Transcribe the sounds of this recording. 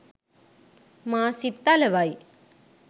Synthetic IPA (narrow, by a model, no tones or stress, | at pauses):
maːsit̪ːalɐʋaj